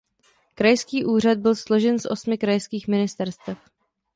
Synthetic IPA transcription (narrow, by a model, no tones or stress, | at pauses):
kɾajskiːʔuːr̝ad̪̚bɪlslo̞ʒɛnsʔo̞smɪkɾajskiːxmɪnɪst̪ɛɾst̪ɛf